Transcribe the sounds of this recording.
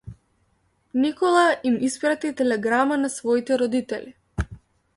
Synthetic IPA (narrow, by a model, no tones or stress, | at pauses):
nikɔlˠaimispɾat̪it̪ɛlɛɡɾamanasvɔit̪ɛɾɔd̪it̪ɛli